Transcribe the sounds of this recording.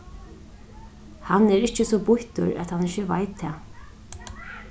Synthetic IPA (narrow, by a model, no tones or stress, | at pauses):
hanɛɾɪht͡ʃəsɔbʊht̪ʊ̰ɹæ̰t̪hanɪçəva̰jt̪ʰːɛː